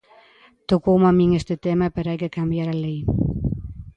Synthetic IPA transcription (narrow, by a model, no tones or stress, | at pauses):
t̪okowmamiŋest̪et̪emapeɾajkekambjaɾalej